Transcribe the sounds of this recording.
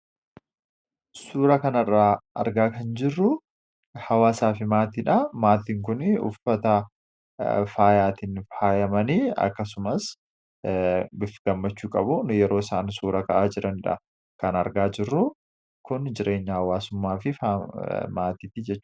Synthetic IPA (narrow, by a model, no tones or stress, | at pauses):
suːɾɐkɐnɐrːaːʔɐ̰ɾɡaːkɐnd͡ʒɪrːʊ | hɐwaːsaːfɪmaːt̪iːᶑɐmaːt̪iːŋkʊnʊ̰fɐt̪ɐ | faːjaːt̪iːnfaːjɐmɐniːɐ̰kːɐs̬ʊmɐs | bɪfːɪɡɐmːɐt͡ʃːuːkʼɐbʊnjɛɾo̞ːɪsaːnsuːɾɐkɐʔaːd͡ʒɪɾɐnɪᶑɐ̰ | kɐnɐɾɡaːd͡ʒɪrːʊ | kʊnd͡ʒɪɾʔe̞ːɲːɐhɐwaːsʊmːaːfɪfamaːt̪iːt̪id͡ʒɛt͡ʃː